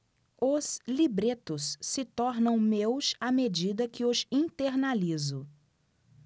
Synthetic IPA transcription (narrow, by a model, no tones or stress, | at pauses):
ʊslibɾet̪ʊssɪt̪ɔɾnɐ̃w̃mewsamed͡ʒid̪ɐkɪʊsĩt̪eɾnalizʊ